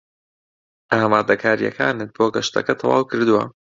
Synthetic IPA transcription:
ʔaːmaːd̪ɐkʰaːɾijɐ̰kʰaːnɨt̪̚boːɡɐʃt̪ʰɐ̰kɐt̪ʰɑwa̰ːwkʰɨɾd̪uwɐ̰

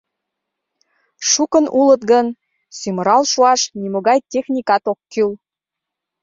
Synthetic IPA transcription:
ʃukənulə̆t̪ɡən | symə̆ɾɑlʃuɑʃnimoɣɑjt̪ʲexnʲikɑt̪okːyl

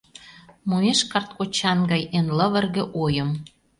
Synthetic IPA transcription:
mueʃkɑrt̪̚kot͡ɕɑnɡɑjenlə̆βə̆rɣĕʔojə̆m

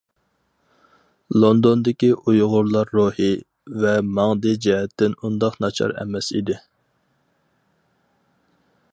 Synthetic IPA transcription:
lˠond̪ond̪ɪkʲiʔujʁʊɾlˠɑɾːohi | vɛmɑŋd̪ɨd͡ʒɛɦɛt̪ːɪnund̪ɑqnɑt͡ʃʰɑ̰ɾɛ̰mɛsḭd̪ɪ

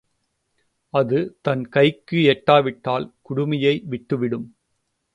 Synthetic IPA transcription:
ɐðɯt̪ɐnkɐɪkːɯɛʈːaːʋɪʈːaːlkʊɽʊmɐjɐɪʋɪʈːɯʋɪɽɯm

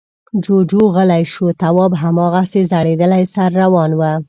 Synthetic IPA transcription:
d͡ʒod͡ʒoɣəlajʃot̪awɑbɦamɑɣasezaɽed̪əlajsaɾːawɑnwə

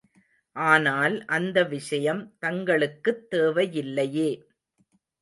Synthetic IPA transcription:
ʔaːnaːlʔɐnd̪ɐʋɪʂɐjɐmt̪ɐŋɡɐɭɯkːɯt̪ːeːʋɐjɪlːɐjeː

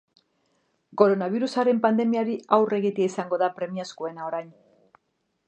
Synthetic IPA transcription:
ko̞ɾo̞naβ̞iɾusaɾe̞mpand̪e̞miaɾiawre̞ɣit̪iaisaŋɡo̞ðapɾe̞miaskoe̞nao̞ɾajn

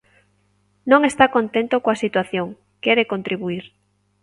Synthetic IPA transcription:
nõŋest̪akont̪ent̪okoasit̪waθjoŋ | kɛɾekont̪ɾiβuiɾ

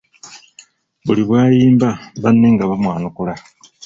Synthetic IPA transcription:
βuliβwaːjiːmbaβanːeŋɡaβamwaːnukula

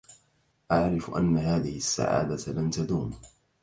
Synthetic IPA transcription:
ʔaʕɾɪfʔa̰nːaɦaːðɪhɪsːa̰ʕa̰ːd̪alamt̪ad̪uːm

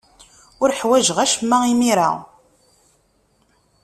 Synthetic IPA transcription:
ʊɾħwæʒʁæʃmːæimiɾa̰

